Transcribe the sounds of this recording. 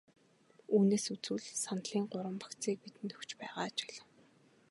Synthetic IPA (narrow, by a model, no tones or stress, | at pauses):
uːneːsut͡sŭɮsanɮiːŋɢʊɾə̆mpḁkt͡siːk̚pit̪ɘ̆nt̪ʰɵxt͡ɕpæːʁaːt͡ɕi̥ɮ